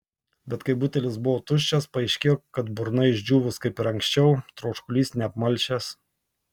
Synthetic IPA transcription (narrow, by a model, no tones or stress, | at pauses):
bʲɛt̪kɐɪbuːt̪ʲɛlʲɪsbʊʋoːt̪ʊʃʲt͡ʃʲɛspɐɐɪʃʲkʲeːjoːkɐt̪bʊɾnɐɪɪʒʲd͡ʒʲuːʋʊskɐɪpɪɾɐŋʲksʲt͡ʃʲɛʊt̪ɾoːʃkʊlʲiːsnʲɛɐpmɐlʲʃʲɛs